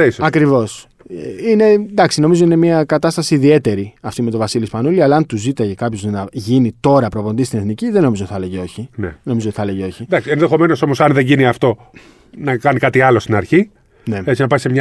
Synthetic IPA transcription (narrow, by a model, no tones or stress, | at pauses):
isɐkɾivo̞s | eine̞nd̪ɐksino̞mizo̞ine̞miɐkɐt̪ɐst̪ɐsiːðie̞t̪e̞ɾiɐft̪ime̞t̪o̞vɐsilispɐnuliɐlɐɐnt̪uzit̪ɐʝekɐpço̞znɐʝinit̪o̞ɾɐpɾo̞vo̞nd̪ist̪ine̞θniciðe̞no̞mizot̪i̥θɐleʝeo̞çinenomizot̪i̥θɐle̞ʝeo̞çid̪ɐksienðe̞xo̞me̞no̞so̞mo̞sɐnðe̞ɲʝiniɐft̪o̞ | nɐkɐnikɐt̪iɐlo̞st̪inɐɾçi | ne̞et͡sinɐpɐsemɲ